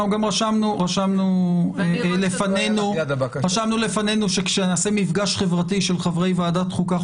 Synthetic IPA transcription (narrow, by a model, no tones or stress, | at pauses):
uɡamʁaʃamnuʁaʃamnuelefanenuʁaʃamnulefane̞nuʃekʃenaːsemifɡaʃχevʁatiʃelχavʁe̞jvaaːdat̪χuka